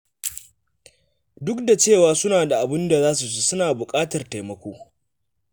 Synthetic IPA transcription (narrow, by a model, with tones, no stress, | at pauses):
dʊ˦kda˨t͡ʃeː˦˨waː˨˦sʊ˦naː˨da˨ʔa˨bɪ˦nda˨zaː˦s̬u˨s̬u˦sʊ˦naː˨bʊ˨kʼaː˦tɐ˨rta˨jmɐ˦kʷoː˦